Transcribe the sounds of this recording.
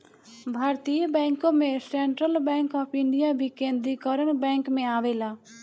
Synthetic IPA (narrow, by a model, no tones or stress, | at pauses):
bʱaːɾt̪ijəbɛ̃ːŋkõːmẽsẽːɳʈɾəlbɛ̃ːŋkɔːpʰɪ̃ɳɖɪjaːbʱiːkẽːnd̪ɾikəɾənbɛ̃ːŋkmẽaːʋeːlaː